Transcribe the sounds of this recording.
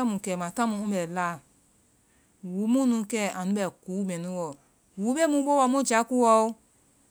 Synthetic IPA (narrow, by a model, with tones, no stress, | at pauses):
a˦mũ˨kɛ˨mã˨tã˦mũ˧˦ũ˦ɓɛ˨la˦˨ | wu˨˦mũ˦nũ˧˦kɛ˦˨ã˨nũ˦ɓɛ˨kuː˨˦mɛ̃˨nũ˦wɔ˨ | wu˨˦ɓe˦mũ˧˦ɓo˦wɔ˧˦mõ˦˨d͡ʒa˨˦ku˦wɔ˧˦o˦